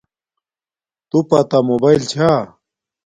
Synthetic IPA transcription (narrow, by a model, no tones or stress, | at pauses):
t̪upat̪amobailt͡ɕʰa